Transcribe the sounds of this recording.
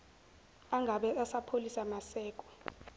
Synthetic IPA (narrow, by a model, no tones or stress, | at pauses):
aŋɡʱaɓɛasapʰolisamasɛːk̬ʼɔ̥